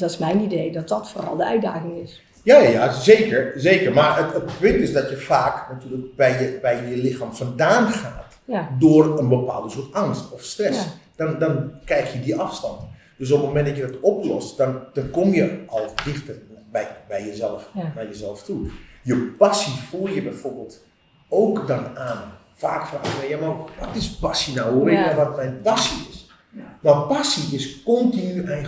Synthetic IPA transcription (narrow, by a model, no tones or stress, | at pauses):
dɔtɪ̥smɛjnidejdɔt̚dɔtfoːrɑ̰lˠdəœɥda̰ːxɪŋɪs | jaːjazeːkəɹzeːkəɹmaɹətətpʏntɪsdɔtjəfaːknatyːlək̚bɛjjəbɛjjəlɪxaːmfɔndaːnxaːt | dʊːrənbəpa̰ːlˠdəsʊətɑŋstɔfstrɛsd̥ɔndɔnkɛjxjədiʔɑfstɑnt | d̥øs̬opmomɛndɔtjədɔtɔplɔstd̥ɔnd̥ɔnkomjəʔɔlˠdɪxtərbɛbɛjjəzɛlˠəfnajəzɛlˠəftujəpasifulˠjəbɛjforbeːlˠt | owkdɔnaːn | faːkfra̰ːxʋɛjamaʋɔtɪspasinawərɪɛʋɔtmɛjnpasiɪs | mapasiɪskɔntinyɛj